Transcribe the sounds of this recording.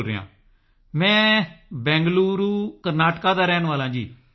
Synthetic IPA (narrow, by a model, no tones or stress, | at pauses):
ɾḛjã̰ː | mɛ̃ːbɛ̃ːŋɡluːɾuːkəɾnaːʈkaːd̪aːɾɛːnʋaːlãːd͡ʒiː